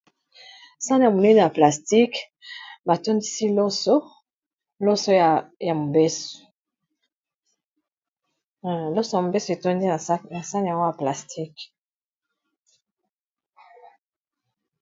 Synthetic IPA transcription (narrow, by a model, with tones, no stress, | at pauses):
sa˦n˨a˨mo˨ne˦n˨a˨pla˨sti˦k | ba˨to˦ndi˦si˦lo˦so˦ | lo˦so˦jja˨mo˨be˦so̥˨ | lo˦so˦ja˨mo˨be˦so˨e˨to˦ndi˦˨˦na˨sa˦n˨ja˨ŋɡo˦ja˨pla˨stʰi˦k